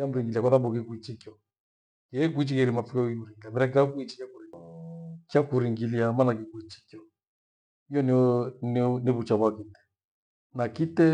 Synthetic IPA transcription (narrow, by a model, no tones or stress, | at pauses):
am̩ɾiŋɡiliakwaðambukikuit͡ʃikjɔ | kɛk̬uit͡ʃikɛɾimafukɔkiuɾiŋɡilamɛɾak̬akuit͡ʃi̥kjakuɾiŋ | kjakuɾiŋɡiliamanak̬ikuit͡ʃi̥kɔ | ijɔnnneβut͡ʃaβwakitɛ̥ | nakitɛ